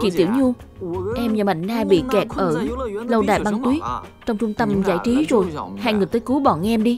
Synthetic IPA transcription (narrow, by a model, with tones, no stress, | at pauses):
t͡ɕḭ˧˩t̪ḭ˧˩əwɲu˧ | ʔɛ˧mɲaː˨˩ma̰˧˨ŋ̟naː˧ɓḭ˧˨kɛ˨˩t̚ʔəː˧˩lə˧wɗa̰ː˨jɓa˧ŋt̪wi˨˦ək̚t͡ɕɔ˧wŋ͡mt͡ɕʊ˧ŋ͡mt̪ə˧mza̰ː˧˥˩jt͡ɕi˨˦zo˨˩jhaː˧jŋɨ˨˩jt̪əː˧˦jku˨˦ɓɔ̰˧˨nʔɛ˧mɗi˧